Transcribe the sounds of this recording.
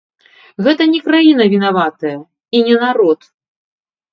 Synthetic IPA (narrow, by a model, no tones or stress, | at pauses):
ɣɛt̪ɐnʲɛkɾajinɐvʲinavat̪ɐjɐ | inʲɛnaɾɔt̪